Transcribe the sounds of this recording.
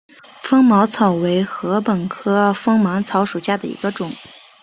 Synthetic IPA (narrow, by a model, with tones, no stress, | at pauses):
fɤ˥ŋmɑ˧˥ʊt͡sʰɑ˨˩ʊwe˧˥ɪxɤ˧˥pə˨˩nkʰɤ˥fɤ˥ŋmɑ˧˥ŋt͡sʰɑ˧˥ʊʂu˨˩ɕja˥d̪ə˨ḭ˧˥ɡə˧ʈ͡ʂʊ˨˩˦ŋ